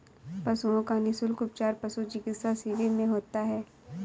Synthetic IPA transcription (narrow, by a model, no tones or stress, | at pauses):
pɐsuõkanɪsʊlkʊp̚t͡ʃaːɾpɐsud͡ʒɪɡɪsasiʋimẽɦoːt̪aɦɛː